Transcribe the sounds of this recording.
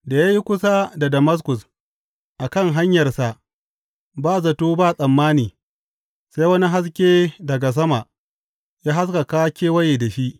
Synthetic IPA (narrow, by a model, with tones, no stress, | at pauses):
da˨ja˦ji˦kʷʊ˦sa˦da˨dɐ˨mɐ˦s̬kʊ˨s | ʔa˨kɐ˦˨ŋɦa˦ɲjɐ˨rsa˨ʔ | baː˦˨zɐ˨toː˦baː˦˨sʼɐ˨mːaː˦niː˨ | sa˦jwɐ˦ni˦ɦa˦s̬kʲeː˦dɐ˨ɡa˨s̬ɐ˦ma˨ʔ | jaː˦ɦa˦s̬ka˨kaː˦kʲeː˦wɐ˦jeː˨da˨ʃi˦ʔ